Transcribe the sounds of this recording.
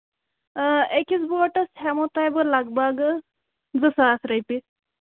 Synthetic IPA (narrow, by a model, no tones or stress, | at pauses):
ekit͡sbɔʈəsʰɦamot̪ajbəɾlaɡbaɡ | d͡zəsasɾəjpi